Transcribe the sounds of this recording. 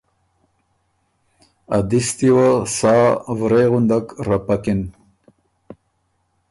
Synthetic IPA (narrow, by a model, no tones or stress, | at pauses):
ad̪ist̪iwasɑːvɾejɣund̪akɾapakɪn